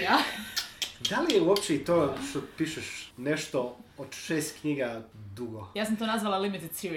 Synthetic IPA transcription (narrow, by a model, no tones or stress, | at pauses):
a | d̪alijɛuopt͡ɕeit̪oːʃt̪opiːʃeʃneʃt̪ood̪ʃeːst̪kɲiɡad̪uɡojaːsamt̪onazʋalˠalimit̪ed̪siɾi